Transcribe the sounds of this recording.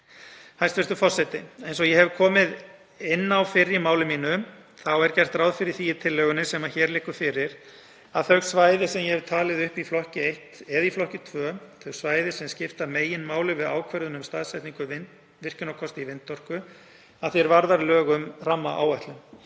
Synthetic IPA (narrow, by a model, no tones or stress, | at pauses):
hajst̪vɛɾst̪ʏfɔr̥sɛt̪ɪ̰ejnsɔɣjɛɦɛvkʰɔːmɪð | ɪnːawfɪɾːɪmaːwlɪmiːnʏ | θawɛɾcɛjr̥t̪raːwðfɪɾɪɾ̥θijɪt̪ʰɪlːɛːɣʏnɪsɛmaçɛːɾlɪhkʏ̥fɪɾɪɾ | aðθœɣsvaːjðɪsɛmjɛhɛv̥t̪ʰaːlɪðʏhpiflɔhcɪejht̪ɛðiflɔhcɪt̪ʰvœːθœɣsvaːjðɪsɛmscɪft̪ameːjɪnmaːwlʏvɪðaːwkʰvɛɾðʏnʏmst̪aðsajt̪niŋkʏvɪ | vɪr̥cʏnawkʰɔst̪ɪivɪnt̪ːɔr̥kʏ | aðθiɛɾvaɾðaɾlœːɣʏmramːa̰ʔa̰ːwajht̪lʏm